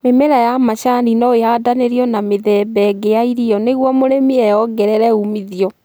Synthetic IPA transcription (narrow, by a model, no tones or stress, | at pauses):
memeɾajamaɕanɾinɔeadaneɾiɔnameðɛbɛɡejaiɾiɔneɣwɔmoɾemiɛjɔɡɛɾɛɾɛumiðiɔ